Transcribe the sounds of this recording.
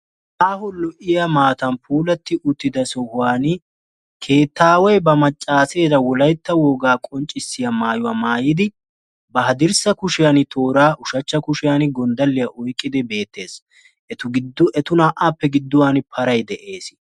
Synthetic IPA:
ʔaːhɔlɔʔɪjɐmaːt̪ɐnpʰuːlɐt̪ːɪʔʊt̪ːɪd̪ɐsɔhʊaːnɪ | kʰe̞ːt̪ːaːwɔjbɐmɐt͡ʃʼːaːseːd̪ɐwɔlɐjt̪ːɐwɔːɡaːkʼɔnt͡ʃʼːɪsːɪjɐmaːjʊwɐmaːjɪd̪ɪ | bɐɦɐd̪ɪɾsɐkʊʃɪjanɪt̪ʰoːɾaːʔʊʃɐt͡ʃːɐkʊʃɪjanɪɡɔnd̪ɐlːɪjɐʔɔjkʼːɪd̪ɪbe̞ːt̪ːe̞ːs | ʔɛt̪ʊɡɪd̪ʊɛt̪ʊnaːʔaːpːɛɡɪd̪ːʊwaːnɪpʰɐɾɐjd̪ɛʔe̞ːs

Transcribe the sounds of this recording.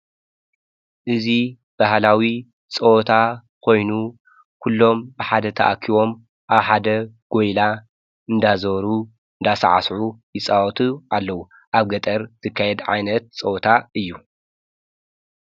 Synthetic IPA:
ʔɨzi | b̥aɦlawi | t͡sʼɐwt̪ʰa | kʰo̞jnu | kʰulːo̞mbɨħad̪ɐt̪ʰɐ̰ʔakʰiβo̞m | ʔaβħad̪ɐɡ̥ojla | ɨnd̪azɐβɾu | ɨnd̪asa̰ʕa̰sʕujɪt͡sʼawɔt̪ʰuʔalːɐwu | ʔaβɡɐt̪ʼɐɾz̥ɨkʰːajɛd̪ʕa̰jnɐt̪̚t͡sʼɐwt̪ʰaɨjːu

